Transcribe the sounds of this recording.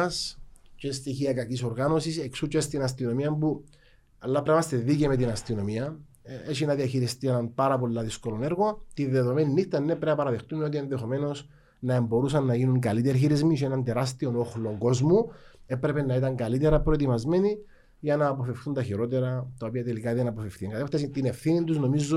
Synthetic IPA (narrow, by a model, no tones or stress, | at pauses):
scest̪içiɐkɐkiso̞ɾɣano̞sise̞ksut͡ʃest̪inɐst̪ino̞miɐmbu | ɐlːɐpɾemɐst̪eðicemet̪inɐst̪ino̞miɐ | et͡ʃinɐðiɐçiɾist̪inɐnpaɾɐpo̞lːɐðisko̞lo̞ne̞ɾɣo̞t̪inðe̞ðo̞me̞ninːixt̪ɐnːepɾeɐpɐɾɐðext̪umeo̞t̪̬ienðe̞xo̞me̞no̞s | nɐe̞mbo̞ɾusɐnːɐjʝinuŋkɐlit̪eɾçiɾizmiʃienɐntd̪e̞ɾast̪io̞no̞xlo̞ŋɡo̞zmue̞pɾepenːɐit̪ɐŋɡɐlit̪e̞ɾɐpɾo̞et̪imɐzme̞ni | ʝɐnɐːpo̞fe̞fθunt̪ɐçiɾo̞t̪e̞ɾɐt̪ɐo̞piɐt̪elikɐðenɐpo̞fefθiɐŋɡɐt̪eft̪ɐsit̪ine̞fθinint̪uzno̞mizːo